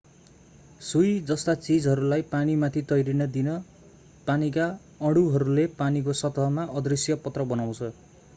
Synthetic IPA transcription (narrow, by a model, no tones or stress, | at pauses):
sujd͡zʌst̪at͡sid͡zɦʌɾulajpanimat̪ʰit̪ʌjɾinʌd̪inʌ | panika | ʌɽuɦʌɾulepanik̬osʌt̪ʌmaʔʌd̪risjʌpʌt̪rʌbʌnaw̃t͡sʰʌ